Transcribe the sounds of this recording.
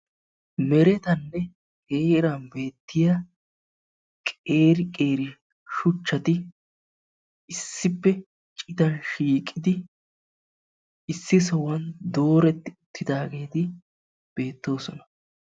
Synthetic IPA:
mɛɾɛt̪ɐnːɛ | heːɾɐnbe̞ːt̪ːɪjɐ | kʼe̞ːɾɪkʼe̞ːɾɪ | ʃʊt͡ʃːɐt̪ɪ | ɪsːɪpːɛ | t͡ʃʼɪt̪ɐnʃiːkʼːɪd̪ɪ | ɪsːɪs̬ɔwɐnd̪o̞ːɾɛt̪ːɪʊt̪ʰːɪd̪aːɡe̞ːt̪ɪ | b̥e̞ːt̪ːo̞ːsɔnɐ

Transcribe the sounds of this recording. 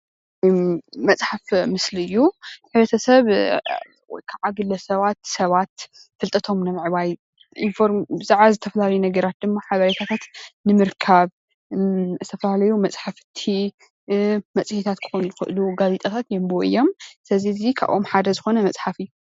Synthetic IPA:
mɐt͡sʼħafmɨslɨjːuħɨβɾɐt̪ʰɐsɐβ̰ | kʰaʕaɡɨlɐsɐβat̪sɐβat̪ | fɨlt̪ʼɐt̪ʰo̞mnɐmʕɨβaj | infoɾmbɨzaʕβazɨt̪ʰɐfɐlalɐjunɐɡɐɾat̪̚d̪ɨmːaħaβɐɾet̪ʰat̪ʰat̪nɨmɨɾkʰaβ | zɨt̪ʰɐfɐlalɐjumɐt͡sʼħafɨt̪ʰi | mɐt͡sʼɨhit̪ʰat̪kʰɨ̥xonzɨxɨ̰ʔluɡazit̪ʼɐt̪ʰat̪jɛmboʔɨ̰jo̞msɐzizikʰa̰βʔomħad̪ɐzɨxo̞nɐmɐt͡sʼħafɨjːu

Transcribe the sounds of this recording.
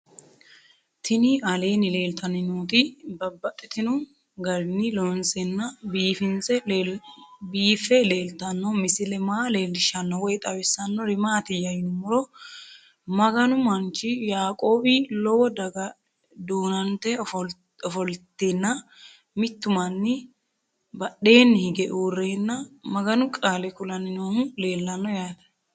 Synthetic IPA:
t̪ʰɪnɪɐle̞ːnɪle̞ːlt̪ɐnɪnuːt̪ɪbɐbːɐt̪ʼːɛt̪ɪnʊ | ɡɐɾɪnɪlɔnsʼɛnːɐbiːfɪnt͡sɛ | biːfɛle̞ːlt̪ɐnːɔmɪsɪlɛmaːle̞ːlːɪʃɐnːɔwɔjt̪ʼɐwɛsːɐnːɔɾɪmaːt̪ɪjɐjnʊmɔɾɔ | mɐɡɐnʊmɐnt͡ʃɪjaːkʼo̞ːbɪlɔwɔd̪ɐɡɐ | d̪uːnɐnt̪ːɛfɔ | ɔfɔlt̪ːenːɐ | mɪt̪ːʊmɐnːɪ | bɐɗe̞ːnːɪhɪɡɛʔuːrːeːnːɐmɐɡɐnʊkʼaːlɛkʊlɐnɪnoːhʊle̞ːlːɐnːɔjaːd̪ɐ̥

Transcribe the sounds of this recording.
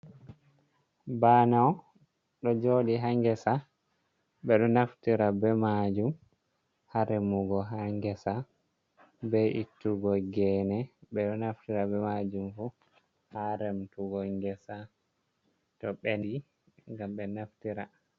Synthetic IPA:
banaw | ɗɔd͡ʒoɗiɦaŋɡɛsa | ɓɛɗɔnaftiɾabɛmad͡ʒum | haɾɛmuɡɔɦaŋɡɛsa | bɛʔitːuɡɔɡɛnɛɓɛɗɔnaftiɾabɛmad͡ʒumfu | haɾɛmtuɡɔŋɡɛsa | tɔɓɛndi | ŋɡamɓɛnaftiɾa

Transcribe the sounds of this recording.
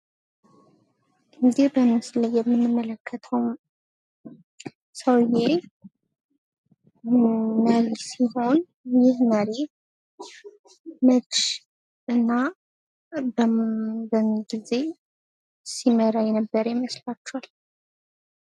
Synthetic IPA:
ɨnd̪ibəmɨsləjɛmːɨnːɨmːələkʰːət̪ʰəwm | səwje | məɾisiɦo̞n | jɪhməɾi | mət͡ʃ | ɨnːa | bbəɡize̞ | siməɾajɛnəbːəɾjɪməslat͡ʃːɛal

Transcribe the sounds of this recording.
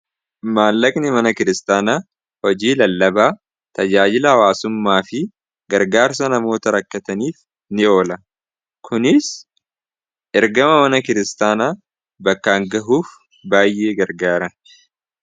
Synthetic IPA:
maːlːɐkʼnɪmɐnɐkɪɾɪst̪aːnaː | hɔd͡ʒiːlɐlːɐbaː | t̪ɐd͡ʒaːd͡ʒɪlɐɐwaːsʊmːaːfɪ | ɡɐɾɡaːɾsɐnɐmo̞ːt̪ɐɾɐkːɐt̪ɐniːf | nɪʔo̞ːlɐ | kʰʊnɪs | ʔɛɾɡɐmɐmɐnɐkɪɾɪst̪aːnaː | bɐkːaːŋɡɐɦuːf | baːjʔe̞ːɡɐɾɡaːɾɐn

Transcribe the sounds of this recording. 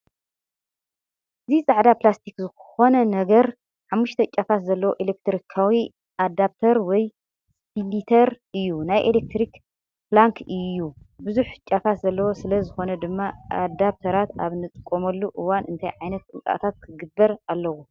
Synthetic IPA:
ʔɨzizʼaʕd̪aplast̪ʰikzɨxo̞nɐnɐɡɐɾ | ħamːuʃt̪ʰɐt͡ʃʼafat̪zɐlːɐwo̞ʔelek̚t̪ɾikʰawi | ʔad̪aβt̪ʰɐɾwɔj | spʰilit̪ʰɐɾʔɨjːunajʔelek̚t̪ɾik | plaŋkʰɨjːubɨzuħt͡ʃʼafaszɐlːɐwo̞sɨlɐzɨxo̞nɐd̪ɨmːaʔa̰d̪aβt̪ʰɐɾat̪a̰βnɨt̪ʼɨkʼːomɐlːuʔɨwanʔɨnt̪ʰajʕajnɐt̪̚kʼɨnkʼa̰t̪ʰat̪̚kʰɨɡɨbːɐɾalːɐwu

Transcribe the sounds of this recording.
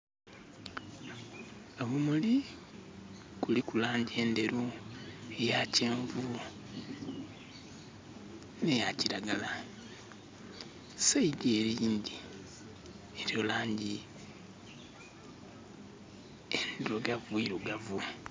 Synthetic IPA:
oβumuli | kulikulaːɲɟie̞ːnde̞ɾu | ejaceːɱvu | ne̞jaciɾaɡala | saideɾiːnd̪i | eɾiolaːɲɟi | endeɾoɡavuiɾoɡavu

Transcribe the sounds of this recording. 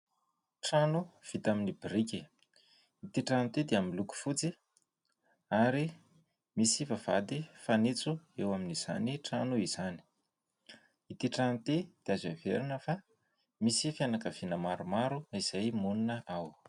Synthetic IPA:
ʈ͡ʂanuv̥it̪aminibiɾiki | it̪iʈ͡ʂanit̪ed̪eamiluku̥fut͡si | aɾi | misivav̥ad̪ifanit͡suewaminiz̥a̰niʈ͡ʂanuiz̥ani̥ | it̪iʈ͡ʂant̪ed̪̥iazavḛɾinəfa | misifjanakəv̥inəmaɾumaɾuiz̥ajmuninəʔaw

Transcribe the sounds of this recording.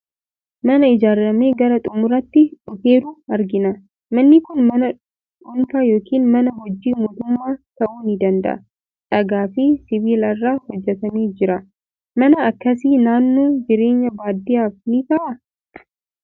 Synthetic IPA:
mɐnɐɪd͡ʒaːɾːɐme̞ːɡɐɾɐt̪ʼʊmʊɾɐt̪ːɪᶑʊfe̞ːɾʊɐɾɡɪnɐ | mɐnːɪkʊnmɐnɐ | ᶑʊnt̪aːjo̞ːkiːnmɐnɐɦɔd͡ʒːiːmoːt̪ʊmːaːt̪ɐʔuːnɪd̪ɐnd̪ɐ̰ʔɐ̰ | ᶑɐɡaːfɪsɪβiːlɐrːaːhɔd͡ʒːɛt̪ɐniːd͡ʒɪɾɐ | mɐnɐːkːɐs̬iːnaːnːo̞ːd͡ʒɪɾe̞ːɲːɐbaːd̪ːɪjaːfnit̪ɐʔɐ

